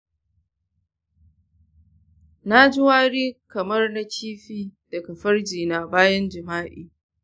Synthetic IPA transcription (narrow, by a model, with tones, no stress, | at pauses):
na˦d͡ʒɪ˦waː˦ɽiː˦kɐ˨mɐ˦rna˦kʲʰiː˦ɸiː˦d̥ɐ˨kɐ˨ɸɐ˦rd͡ʒiː˨na˨baː˦jɐ˦nd͡ʒɪ˨maː˦ʔḭː˨